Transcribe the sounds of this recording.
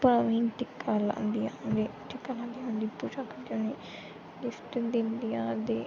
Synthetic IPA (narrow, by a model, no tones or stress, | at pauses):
pəɾaʋĩːnʈ̪ɪkːaːlã̰ːnd̪iːãːnd̪eːʈɪkːaːlãːnd̪iːãːnd̪iːpud͡ʒaːkəd̪oneː | dɪsʈd̪ɪ̃nd̪ijãːd̪eː